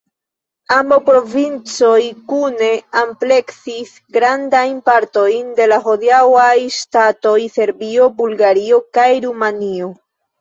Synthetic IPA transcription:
ambopɾo̞vint͡so̞jkune̞ample̞ksis | ɡɾandajnpaɾto̞jnde̞laɦo̞diawajstato̞jse̞ɾbio̞bulɡaɾio̞kajɾumanio̞

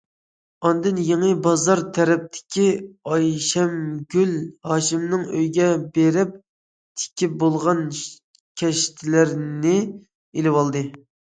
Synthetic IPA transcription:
ɑnd̪ɨnjeŋɨbɑzɑɾt̪ʰɛɾɛp̚t̪ʰɪ̥kʲʰiɑjʃɛmɡʲylhɑːʃɪmnɨŋøjɡʲɛbeɾɪp̚ | t̪ʰɪ̥kʲʰip̚bolˠʁɑn | kʲʰɛʃt̪ʰɪlɪɾnɪ | elɪwɑlˠd̪ɨ

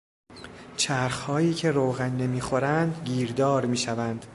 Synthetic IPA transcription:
t͡ʃʰæɾxhɒːjiːcʰe̞ɾoːɣænːe̞miːxo̞ɾænd̪ɟiːɾd̪ɒːɾmiːʃævænd̪̥

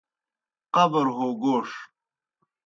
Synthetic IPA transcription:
qɐbɐɾɦoːɡoːʂ

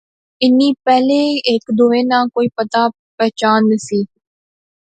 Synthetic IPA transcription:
ɪnːiːpɛːlẽːekd̪oːẽːnãːkoːiːpət̪aː | pɛːt͡ʃaːnːəsiː

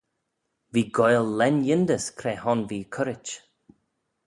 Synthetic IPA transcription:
viːɡɔjlˠːɛnjɪnd̪əskʰɾeːhɔnviːkʰʊɾɪt͡ʃ

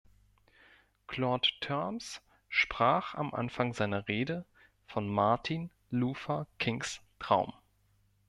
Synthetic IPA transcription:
kʰl̥ɔːttʰɔms | ʃpʁ̥aːχa̰mʔa̰nfaŋzaɪnɐʁeːdə | fɔnmaɐtʰin | luːfɐkʰɪŋstʁ̥aʊm

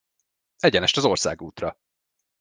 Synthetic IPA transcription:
ɛɟɛnɛʃt̪ɒzo̞rsa̰ːɡuːt̪rɒ

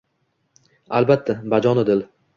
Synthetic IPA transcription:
albat̪ʰːabad͡ʒɒnɪd̪ɪl

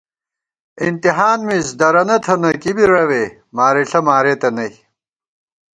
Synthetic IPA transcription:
int̪iɦaːnmisd̪ɐɾɐnɐt̪ʰɐnɐkibiɾɐweː | maːɾeɬɐmaːɾeːt̪ɐnɐj

